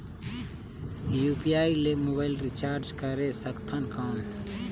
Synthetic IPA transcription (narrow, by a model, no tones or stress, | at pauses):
jupijaːilemobaɪlɾit͡ʃaːɾd͡ʒkəɾesəkt̪ʰənkʰaːɳ